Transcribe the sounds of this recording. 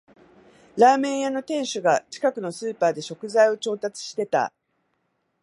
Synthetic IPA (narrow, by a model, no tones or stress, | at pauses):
ɾaːmẽ̞ɰ̃jano̞t̪ẽ̞ɰ̃ɕɨɡat͡ɕi̥kakɯ̟no̞sɨːpaːd̪e̞ɕo̞kɯ̟zaio̞t͡ɕo̞ːt̪at͡sɨ̥ɕi̥t̪e̞t̪a̰